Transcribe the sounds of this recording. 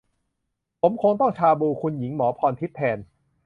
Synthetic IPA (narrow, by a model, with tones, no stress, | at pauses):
pʰo˩˦mkʰo˧ŋt̪ɔ˥˩ŋt͡ɕʰaː˧buː˧kʰu˧nji˩˦ŋmɔː˩˦pʰɔː˧nt̪ʰi˦˥t̪ʰːɛː˧n